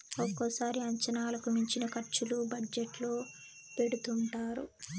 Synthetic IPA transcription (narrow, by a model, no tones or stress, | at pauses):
ɔkːosaːɾiɐɲt͡ʃɐnaːlɐkumiɲt͡ʃinɐkɐɾt͡ʃulubɐd͡ʒeʈloː | pe̞ɽut̪uɳʈaːɾu